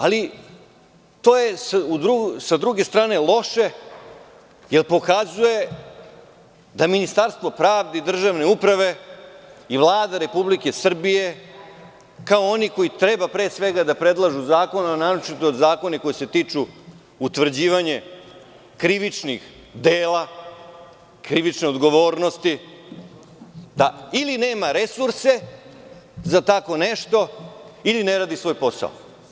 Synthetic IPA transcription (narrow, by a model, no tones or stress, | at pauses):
ali | t̪o̞ːjesud̪ɾusad̪ɾuɡe̞st̪ɾaːne̞lˠo̞ʃe̞ | jelpo̞kazuje | d̪aminist̪aɾst̪vo̞pɾaːʋd̪eid̪r̩ʒaːʋne̞upɾaʋe̞ | iʋlˠaːd̪aɾe̞publikesr̩bije̞ | kaooniko̞jit̪ɾebapɾe̞ːsʋe̞ɡad̪apɾe̞d̪lˠaʒuzaːko̞nanaɾot͡ʃit̪ood̪zaːko̞neko̞jise̞t̪iːt͡ʂu | ut̪ʋr̩d͡ʑiːʋaɲe̞ | kɾiʋit͡ʂnix | d̪eːla | kɾiʋit͡ʃneo̞d̪ɡo̞ʋo̞ːɾno̞st̪i | d̪ailine̞ːmaɾe̞suɾse̞ | zat̪ako̞neʃt̪o̞ilineɾaːd̪isʋo̞ːjpo̞sa̰o